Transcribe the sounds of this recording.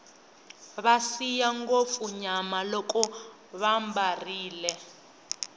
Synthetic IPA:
βasijaŋɡofuɲamalɔkɔ | βambariːlɛ

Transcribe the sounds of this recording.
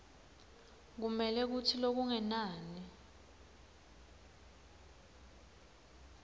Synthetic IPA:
k̬umɛlɛk̬utʰilok̬uŋɛnaːni

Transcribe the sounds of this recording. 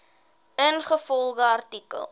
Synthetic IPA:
ənχəfɔlˠɡəɐrtikə̰lˠ

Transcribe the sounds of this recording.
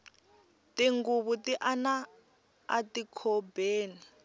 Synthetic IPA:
tiŋɡuβutiʔana | a̰tikʰɔbeːni

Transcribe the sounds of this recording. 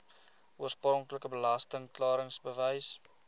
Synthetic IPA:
uərsprɔŋkləkəbəlɐstəŋklɑːɾəŋsbəvəjs

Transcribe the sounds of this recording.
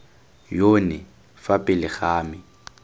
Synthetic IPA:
joːnɪ | fapʼɪlɪχaːmɪ

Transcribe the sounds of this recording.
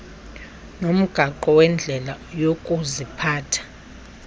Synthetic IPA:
nom̩ɡ̥ʱaǃɔwɛnd͡ɮʱɛlajokʼuzipʰaːtʰḁ

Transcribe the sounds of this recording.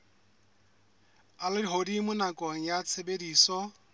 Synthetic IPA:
alɪdiɦodimʊnakʼɔŋ̩jat͡sʰebediːsɔ

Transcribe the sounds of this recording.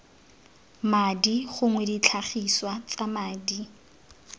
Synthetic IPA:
madiχʊŋwɛdit͡ɬʰaχiswat͡samaːdi

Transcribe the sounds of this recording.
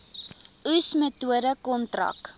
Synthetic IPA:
usmətuəɾəkɔntrɐ̰k

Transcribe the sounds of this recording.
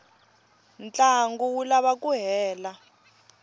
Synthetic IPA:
nt͡ɬʼaŋɡuwulaβakʼuɦɛːla

